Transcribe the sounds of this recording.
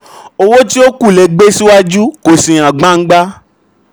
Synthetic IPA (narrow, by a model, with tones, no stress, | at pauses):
o˧wo˦ti˦o˦ku˦˨lɛ˧ɡ͡be˦si˦wa˦d͡ʒu˦ko˨sĩ˨ã˨ɡ͡bã˦ŋ̩˦ɡ͡ba˦